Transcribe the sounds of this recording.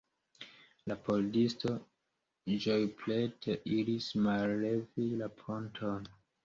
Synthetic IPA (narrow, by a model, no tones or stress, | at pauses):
lapoldisto̞ | d͡ʒojpletʰeʔiɾismalːevilapʰontʰon